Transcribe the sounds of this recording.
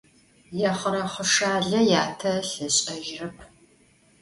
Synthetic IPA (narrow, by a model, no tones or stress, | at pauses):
jɛχəɾɐχəʂaːɮɐjaːtʰɐɬɨɕʼɐʒrɨpʰ